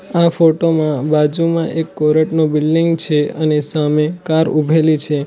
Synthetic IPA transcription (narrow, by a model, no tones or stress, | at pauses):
afoʈomãbad͡ʒumãʔekːɔɾəʈnobɪlɖiŋɡt͡ʃʰeənesamekaɾubʱelit͡ʃʰe